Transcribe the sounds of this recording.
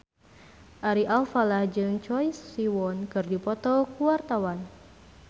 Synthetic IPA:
ʔaɾiʔalfalahd͡ʒɨŋt͡ʃɔjsiwɔnkɨrdipɔt̪ɔkuwart̪awan

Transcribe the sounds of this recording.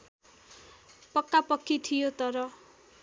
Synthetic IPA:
pʌkːapʌkːit̪ʰijot̪ʌɾʌ

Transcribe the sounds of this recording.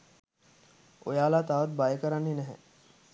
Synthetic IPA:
o̰jaːlaːt̪aːʋət̪̚bajəkəɾanːinɛɦɛ̰

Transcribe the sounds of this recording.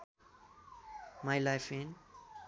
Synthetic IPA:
majlaɪfɪ̃n

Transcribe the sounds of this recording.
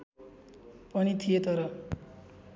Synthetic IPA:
pʌnit̪ʰijet̪ʌɾʌ

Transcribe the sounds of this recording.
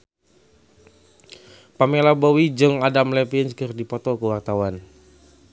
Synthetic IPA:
pamelabɔwid͡ʒɨŋadamlɛpinskɨrdipɔt̪ɔkəwart̪awan

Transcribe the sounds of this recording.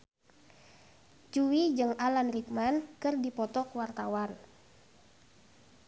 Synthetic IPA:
t͡ʃuwid͡ʒɨŋalanrik̚mankɨrdipɔt̪ɔkwart̪awan

